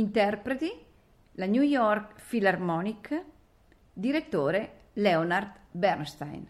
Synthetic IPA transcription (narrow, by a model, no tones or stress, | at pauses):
int̪ɛrpɾet̪i | laɲjujɔrkfilarmɔnik | d̪iɾet̪ːoːɾe | lɛonard̪bɛɾnst̪a̰jn